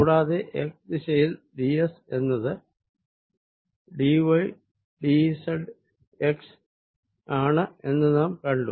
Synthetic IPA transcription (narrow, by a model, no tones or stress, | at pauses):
kuːɽaːðeʔeksd̪iɕɐjilɖiese̞nːɐðɨ | ɖiʋɐj | ɖisɐlɖ | eks | aːɳɨe̞nːɨnaːmkɐɳɖum